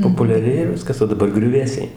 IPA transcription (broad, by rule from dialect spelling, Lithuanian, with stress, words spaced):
poːpʊlʲɛˈrʲeːjɛ ˈʋʲɪskɐs oː dɐˈbɐr ɡrʲʊˈʋʲeːsʲɛɪ